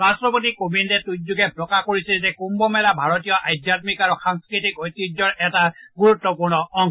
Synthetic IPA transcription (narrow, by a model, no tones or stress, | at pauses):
ɹastɹɔpotikobindɛtuzuɡɛpɹɔkakoɹisilzɛkumbɔmɛlabʱaɹɔt̬ijɔʔajdjatmikaɹuxaŋskɹitikɔjtːid͡ʒɔɹɛtaɡuɹutːɔpuɹnɔʔɔŋ